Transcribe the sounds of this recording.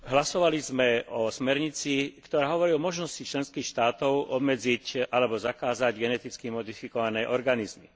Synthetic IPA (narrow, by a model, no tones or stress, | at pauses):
ɦlasɔʋalizmɛɔsmɛɾɲit͡sikt̪ɔɾaːɦɔʋɔɾiɔmɔʒnɔscit͡ʃlɛnskiːxʃt̪aːt̪ɔʊʔɔbmɛd͡zicʔalɛbɔzakaːzaɟɡɛnɛt̪it͡skimɔd̪ifikɔʋanɛjʔɔɾɡanizmi